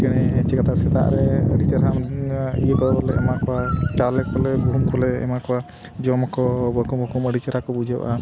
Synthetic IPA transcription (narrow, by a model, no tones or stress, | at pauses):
ʈiɽ̃ɛɛt͡ʃɛkat̪asɛt̪a̰ʔɾɛəɖit͡ʃəɾamijəkɔbɔlɛʔɛmakɔwat͡ʃalɛkɔlɛbʱumkɔlɛ̰ːmakɔwa | d͡ʒɔmɔkɔbəkumbɔkuməɖit͡ʃaɾakɔbud͡ʒɛw̰ʔa